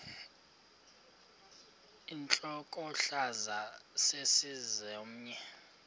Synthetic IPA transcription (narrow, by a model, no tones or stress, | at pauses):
int͡ɬʼɔkʼɔɬazasesizɛm̩ɲɛ